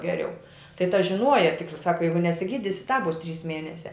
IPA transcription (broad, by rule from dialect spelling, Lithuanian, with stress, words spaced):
ɡʲɛˈrʲɛʊ tɐɪ tɐ ʒʲɪˈnuɔjɛ ˈtʲɪktɐ ˈsɑːkɐ ˈjɛɪɡʊ nʲɛsʲɪˈɡʲiːdʲɪsʲɪ tɑːp ˈbʊs ˈtʲrʲiːs ˈmʲiɛnʲɛsʲɛ